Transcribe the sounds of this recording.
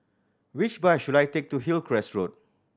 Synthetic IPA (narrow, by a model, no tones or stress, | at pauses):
wit͡ʃbajʃudajtek̚tuɦilkʰɹɛsɹot̚